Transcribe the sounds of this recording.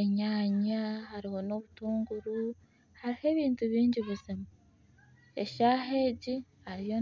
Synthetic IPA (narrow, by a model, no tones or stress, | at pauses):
eɲaːɲahaɾiho̞no̞βutuːŋɡuɾu | haɾihe̞ːβiːntuβiːɲɟiβuzima | e̞̰ʃaɦe̞ːɟi | haɾijo̞